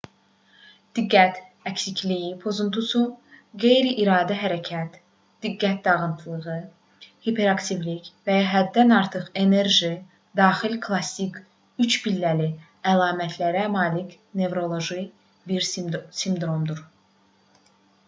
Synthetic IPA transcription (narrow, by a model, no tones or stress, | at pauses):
d̪̥iɡːæt̪ækcsicʰlijipʰo̞zunt̪ʰusuɡe̞jɾiʔiɾɑːd̪æɦæɾæcʰæt̪ | d̪̥iɡːæt̪̚d̪ɑʁɯnt̪ʰɯlˠɯʁɯ | hipʰe̞ɾɑkt̪ʰivlicvæjɑɦæd̪ːænɑɾt̪ʰɯχe̞neɾʒi | d̪ɑːχilkʰlˠɑsik | yt͡ʃbilːæli | ælˠɑːmæt̪ʰlæɾæmɑːlic | ne̞vɾo̞lˠo̞ʒi | biɾsimd̪ɾo̞md̪uɾ